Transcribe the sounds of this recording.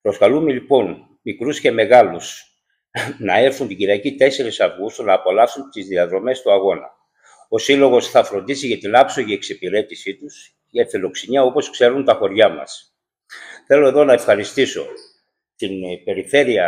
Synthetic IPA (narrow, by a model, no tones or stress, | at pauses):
pɾo̞skɐlume̞lipo̞n | mikɾusce̞me̞ɣɐlus | nɐe̞ɾθunt̪iɟiɾiɐcit̪e̞se̞ɾisɐvɣust̪onɐːpo̞lɐsunt̪izðiɐðɾo̞me̞st̪uɐɣo̞nɐ̰ | o̞silo̞ɣo̞sθɐfɾo̞nd̪isiʝɐt̪inɐpso̞ʝieksipiɾe̞t̪isit̪us | jɐfilo̞ksiniɐopo̞skse̞ɾunt̪ɐxo̞ɾʝɐmɐ̰s | θe̞lo̞e̞ðo̞nɐe̞fxɐɾist̪iso̞̰ | t̪inpe̞ɾiθe̞ɾiɐ